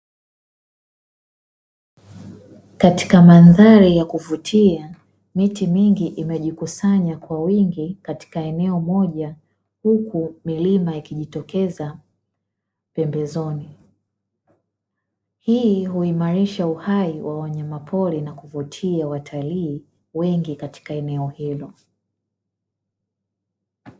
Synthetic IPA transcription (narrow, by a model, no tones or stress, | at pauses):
kati̥kamanðaɾijakuvutʰia | mitimiŋɡiʔimɛʄikusaɲakwawiŋɡikati̥kaɛnɛɔmɔʄa | hukʰumilimaikiʄitɔkɛza | pɛmbɛzɔni | hiːhuimaɾiʃauhaiwʔawaɲamapʰɔɾinakuvutʰiawatʰaliː | wɛŋɡikati̥kaɛnɛɔhilɔ